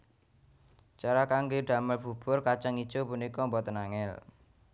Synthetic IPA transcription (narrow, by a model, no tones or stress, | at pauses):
t͡ʃaɾakaŋɡeɖ̪̥a̤məlb̥ṳb̥ʊrkat͡ʃaŋid̥ʒ̥opunikɔmbɔt̪ənaŋɛl